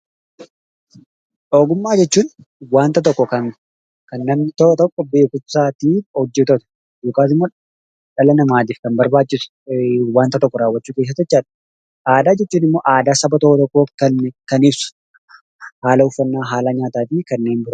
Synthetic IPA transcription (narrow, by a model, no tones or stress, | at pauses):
ᶑoːɡʊmːaːd͡ʒɛt͡ʃːuːn | waːnt̪ɐt̪̬ɔkːɔkɐn | kɐnːɐmnɪt̪ɔt̪ɔkːɔbe̞ːkʊnsaːt̪iːhɔd͡ʒːɛt̪ot̪ɐ̥ | joːkaːt̪ɪmːoː | ᶑɐlɐnɐmaːt̪̬iːfkɐnbɐɾbaːt͡ʃːɪsʊ̥ | waːnt̪ɐt̪ɔkːɔɾaːwɐt͡ʃːuːke̞ːs̬ːɐt̪ɛt͡ʃːaːᶑɐ̥ | ʔaːd̪aːd͡ʒɛt͡ʃːuːnɪmːo̞ːʔaːd̪aːsɐbɐt̪ɔʔɔt̪ɔkːɔkɐkɐniːfsʊ̥ | haːlɐʊfːɐnːaːɦaːlaːɲaːt̪aːt̪ikɐnːe̞ːnbɪɾʊ